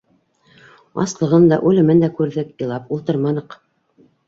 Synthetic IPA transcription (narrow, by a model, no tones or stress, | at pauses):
ɑ̰slˠɤ̆ʁɤnd̪ɑ̰ʔʉlɘ̆mɘnd̪ækʉɾðɘkjɤ̆lˠɑpulˠt̪ɤɾmɑnɤq